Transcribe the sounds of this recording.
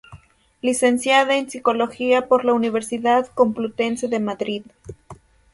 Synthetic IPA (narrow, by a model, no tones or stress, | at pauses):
lise̞nsjaðaensiko̞lo̞xiapo̞ɾlauniβ̞e̞ɾsiðaðko̞mplut̪e̞nse̞ðe̞maðɾið